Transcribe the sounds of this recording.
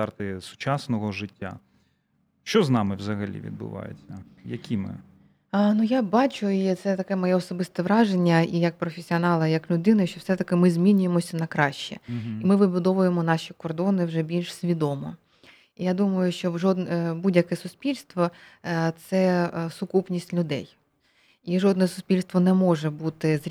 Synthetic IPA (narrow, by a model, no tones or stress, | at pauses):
ɑrt̪ɪsʊ̥t͡ʃɑsnɔɦɔʒɪtʲːa̰ | ʃt͡ʃɔznɑmɪwzɐɦɐlʲḭʋʲḭd̪̚bʊ̰ʋɑ̰jḛt͡sʲːɐ | jɐkʲʰimɪ̰ | nujabɑt͡ʃʊit̪sɛt̪ɐkɛmɔjɛɔsɔbɪst̪ɛʋɾɑʒenʲːɐijɐk̚pɾɔfʲesʲiɔnɑlˠɐjɐklʲʊd̪ɪnɪʃt͡ʃɔwsɛt̪ɐkɪmɪzʲmʲinʲʊjemɔsʲɐnɐkɾɑʃt͡ʃɛ̰imɪʋɪbʊd̪ɔʋʊjemɔnɑʃʲikɔrd̪ɔnɪwʒɛbʲilʲʃsʲʋʲid̪ɔmɔ | ijad̪umɐjʊʃt͡ʃɔʒɔd̪nɛbudʲjɐkɛsʊspʲilʲst̪ʋɔt̪sɛsʊkupnʲisʲtʲlʲʊd̪ɛ̰j | iʒɔd̪̚nɛsʊ̥spʲilʲst̪ʋɔnɛmɔʒɛbut̪ɪzʲ